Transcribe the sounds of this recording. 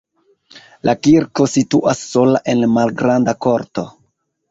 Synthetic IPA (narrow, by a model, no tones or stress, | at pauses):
lʔakiɾko̞situʔasːo̞laʔe̞nmalɡɾandako̞ɾto̞